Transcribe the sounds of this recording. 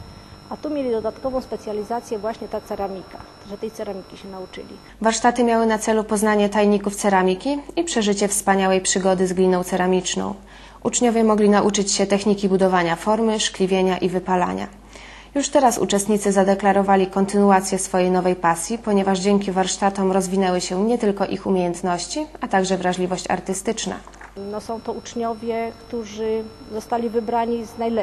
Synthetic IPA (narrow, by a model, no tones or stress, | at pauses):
at̪umʲjelʲid̪ɔd̪at̪kɔvɔ̃w̃spɛt̪sʲjalʲizat̪sʲjɛvwaɕɲɛt̪at̪sɛɾamʲika | ʐɛt̪ɛjt̪ɛɾamʲikʲiɕɛnaut͡ʂɘ̰lʲḭ | vaɾʂt̪at̪ɘmʲjawɘnat̪sɛlupɔznaɲɛt̪ajɲikuft̪sɛɾamʲikʲiipʂɛʐɘt͡ɕɛfspaɲawɛjpʂɘɡɔd̪ɘzɡlʲinɔ̃w̃t̪sɛɾamʲit͡ʂnɔ̰̃w̃ | ʔut͡ʂɲɔvʲjɛmɔɡlʲinaʔut͡ʂɘt͡ɕɕɛt̪ɛxɲikʲibud̪ɔvaɲafɔɾmɘʂklʲivʲjeɲaʔivɘpala̰ɲa̰ | juʂt̪ɛɾasṵt͡ʂɛst̪ɲit̪sɘzad̪ɛklaɾɔvalʲikɔnt̪ɘnuat̪sʲjɛsfɔjejnɔvɛjpasʲjipɔɲɛvaʐd͡ʑɛŋkʲivaɾʂt̪at̪ɔmɾɔzvʲinɛwɘɕɛɲɛt̪ɘlkɔʔixumʲejɛnt̪nɔɕt͡ɕiat̪aɡʐɛvɾaʐlʲivɔɕt͡ɕa̰ɾt̪ɘst̪ɘt͡ʂna̰ | nɔsɔ̃w̃t̪ɔut͡ʂɲɔvʲjɛkt̪uʐɘ | zɔst̪alʲivɘbɾaɲiznajlɛ